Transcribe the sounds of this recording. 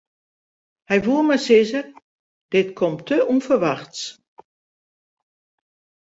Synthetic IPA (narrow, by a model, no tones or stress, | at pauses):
hɛjvuəmɛsɪzər | d̥ɪtkʰɔmtʰːəʔunfərʋaxts